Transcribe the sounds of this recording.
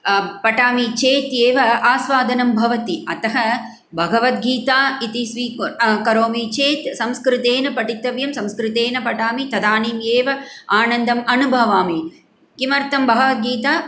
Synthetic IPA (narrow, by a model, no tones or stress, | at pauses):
pɐʈaːmit͡ʃeːt̪jeːʋɐaːsʋaːd̪ʱɐnɐmbʱɐʋɐt̪iɐt̪ɐɦɐ | bʱɐɡɐʋɐt̪ɡiːt̪aːit̪isʋikɐɾoːmit͡ʃeːt̪sɐmskɾɪt̪eːnɐpɐʈit̪ɐʋjɐmsɐ̃mskɾɪt̪eːnɐpɐʈaːmit̪ɐd̪aːniːmjeːʋɐaːnɐnd̪ɐmɐnubʱɐʋaːmi | kimɐɾt̪ɐmbʱɐɡɐʋɐt̪̚ɡiːt̪aː